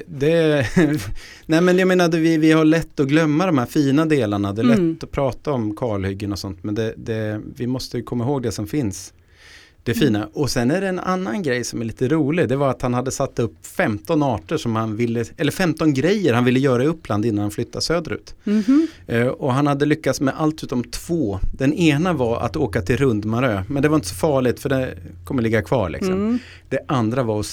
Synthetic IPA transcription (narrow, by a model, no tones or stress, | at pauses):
d̪ɛ | nɛɪmɛnjameːnad̪ɛvɪvɪhaɭɛt̪ːɔɡlœmːad̪ɔmhæːɾfiːnad̪eːlaɳad̪ɛːlɛt̪ːɔpʰɾɑːt̪aɔmkʰɑːɭhʏɡːənɔsɔnt̪mɛnd̪ɛd̪ɛvɪmɔst̪əjɵkʰɔmːaɦoːɡ̚d̪ɛsɔmfɪns | d̪̥ɛfiːnaʔɔsɛnːæɖɛːna̰nːanɡɾɛjsɔmæɾɭiːt̪əɾuːlɪd̪ɛvaɾat̪hanhad̪ːəsat̪ːɵpːfɛmt̪ɔnɑːʈəʂɔmhanvɪlːəɛlːəɾfɛmt̪ɔnɡɾɛjːəɾhanvɪlːəjœːɾaɵpːland̪ɪnːanhanflʏt̪ːasøːd̪ɾʉ̟̰ːt̪ | ʔɔɦanhad̪ːəlʏkːat̪smɛʔalt̪ʉt̪ːɔmt̪ʰv̥oːd̪̥ɛneːnavaɾa̰t̪oːkat̪ʰɪlɾɵnd̪maɾøːmɛnd̪ɛvaɾɪnt̪ə̥sɔfɑːɭɪt̪fœɖɛnkʰɔmːəlɪɡːakʰvɑ̰ːɭʔɪ̰ksɔm | d̪̥ɛʔand̪ɾavaɾɔs